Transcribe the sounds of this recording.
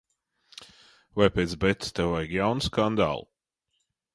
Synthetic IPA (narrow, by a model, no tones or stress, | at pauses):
vajpʲɛt̪sbɛt̪st̪ɛwajɡjawnskand̪a̰lˠ